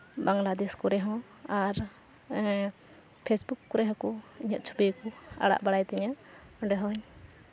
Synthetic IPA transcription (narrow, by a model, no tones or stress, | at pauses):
baŋlad̪ɛskɔɾɛɦɔ̃ | aɾ | pʰesbukːɔɾɛɦɔ̃kɔiɲaʔ̪̚t͡ʃʰu̥bekɔa̰ɽa̰ʔbaɽajt̪ɛɲaɔɖɛɦɔɲ